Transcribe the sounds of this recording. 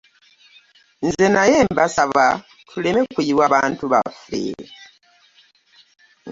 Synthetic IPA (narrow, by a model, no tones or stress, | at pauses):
nzenaje̞ːmbasaβa | tʰuleme̞kwiiwaβaːntuβa̰fḛ